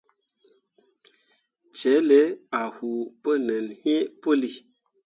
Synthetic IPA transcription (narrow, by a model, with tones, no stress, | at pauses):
t͡ʃɛ˨˦le˦a˨hu˨pə˦nə˨nhe˦pə˦li˦